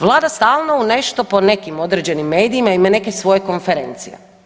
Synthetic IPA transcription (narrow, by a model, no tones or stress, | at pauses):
ʋlˠaːd̪ast̪aːlˠnoune̞ʃt̪o̞po̞ne̞kimo̞d̪ɾed͡ʑe̞nimːe̞ːd̪iimaimane̞kesʋo̞je̞ko̞nfeɾe̞̰nt̪sijḛ